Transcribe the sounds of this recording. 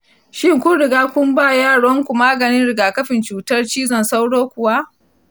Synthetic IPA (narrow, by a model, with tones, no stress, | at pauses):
ʃɪ˦˨ŋkʷʊ˦ɽɪ˨ɡaː˦kʷʊ˦mbaː˦˨jaː˦˨ɽɔ˦ŋkʷu˨maː˦ɡɐ˨nɪ˦nɽɪ˨ɡaː˨kɐ˦ɸɪ˨nt͡ʃuː˨tɐ˦rt͡ʃiː˦zɐ˨nsa˦wɽoː˦kʷʊ˨wa˦